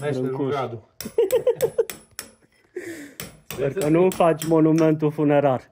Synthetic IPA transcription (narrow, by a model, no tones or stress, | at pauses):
ɛukuad̪u | eɾkɐnũfamonumẽnt̪ufuneɾaɾ